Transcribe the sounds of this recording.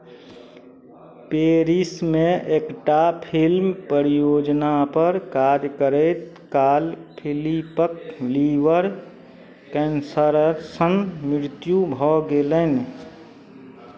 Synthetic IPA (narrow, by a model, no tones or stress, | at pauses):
peːɾismẽʔeːkʈapʰɪlmpəɾijoːd͡ʒnapəɾkaːɾkəɾet̪ | kaːlpʰɪlipəkliːʋəɾ | kɛ̃ːnsəɾəsənmɾɪɾt̪jubʱɔɡeːlən